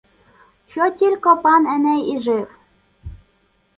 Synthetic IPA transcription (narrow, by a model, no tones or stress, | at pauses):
ɕot̪ʲilʲkopɑnɘ̆næjiʒew